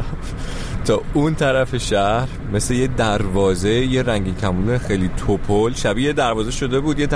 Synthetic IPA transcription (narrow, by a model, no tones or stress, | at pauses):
t̪ʰɒːunt̪ʰæɾæfe̞ʃæhɾ | me̞sle̞jed̪æɾvɒːze̞jeɾæŋɟicʰæmuːlexejliːt̪ʰopʰolʃæbied̪æɾvɒːze̞ʃo̞d̪e̞buːd̪jet̪ʰ